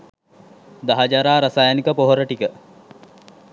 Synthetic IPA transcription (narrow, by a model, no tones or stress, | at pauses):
d̪ɐɦɐd͡ʒaɾaːɾɐsajɐnikəpoɦoɾəʈikə